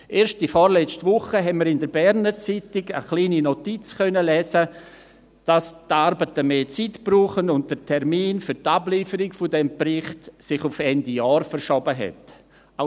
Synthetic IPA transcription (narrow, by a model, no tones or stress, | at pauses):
ʔeːɾʃtifɔɾlɛt͡stvʊχəɦɛnməɾɪndəɾbɛɾnət͡sitɪɡə̰χliːninotit͡skʰœnəlɛːsə | d̥astaɾbətəmeːt͡sitb̥ruːχənʊnt̚d̥ətʰɛɾmiːnfʏɾtabliːfəɾɪɡfʊdɛmprɪχtsɪχʊfɛndijaːɾfəɾʃɔbəɦɛ̰t | a